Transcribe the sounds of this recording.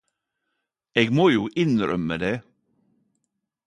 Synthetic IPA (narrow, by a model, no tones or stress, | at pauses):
eːɡmoːjuːʔɪnɾœ̰məd̪eː